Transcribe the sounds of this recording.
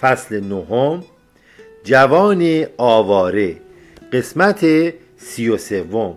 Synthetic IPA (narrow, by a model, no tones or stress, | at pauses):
fæslenoɦom | d͡ʒævɒːneɒːvɒːɾe | ɢe̞smæt̪ʰe | sijose̞vːom